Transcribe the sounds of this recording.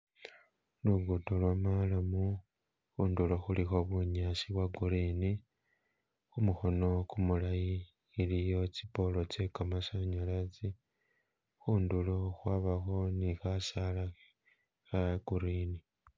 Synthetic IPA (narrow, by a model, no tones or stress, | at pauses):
luɡutolwamalamu | xuːnduloxulixo̞βuɲasiβwaɡuɾini | xumuxo̞no̞kumulajiː | lijo̞t͡sipo̞lo̞t͡ʃekamasaɲolat͡si | xuːnduloxwaβaxo̞nixasala | xaɡ̥uɾiːni